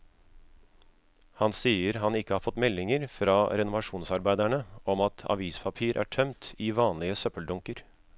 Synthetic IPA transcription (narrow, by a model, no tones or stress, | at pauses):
hɑnsiːəɾɦɑnɪkːəhɑːɾfɔt̪mɛlːɪŋəɾfɾɑːɾɛnʊʋɑʂuːnsɑɾbæɪd̪æɳəɔmɑt̪ʰɑ̰ʋiːspʰɑpʰiːɾʔæ̰ːʈʰœmt̪ɪʋɑːnlɪəsœpəld̪ʊŋkəɾ